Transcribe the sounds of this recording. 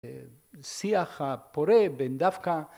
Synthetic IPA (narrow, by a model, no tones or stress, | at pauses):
siaχapoɾebend̪afka